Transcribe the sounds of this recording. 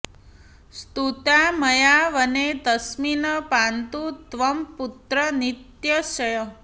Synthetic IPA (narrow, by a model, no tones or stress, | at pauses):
st̪ut̪aməjaʋəned̪əsminəpant̪ut̪ʋəmput̪ɾənit̪jəʃəjə